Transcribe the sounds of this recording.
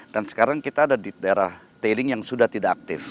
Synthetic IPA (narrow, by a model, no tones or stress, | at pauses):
d̥ansə̥kaɾaŋkit̪aːdadit̪aeɾah | t̪elɪŋjaŋsudaht̪idaʔak̚t̪ɪf